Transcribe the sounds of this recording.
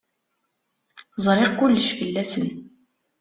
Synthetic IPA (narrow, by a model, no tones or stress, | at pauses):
zˤɾˤeʁkʷulːəʃfəlːæsən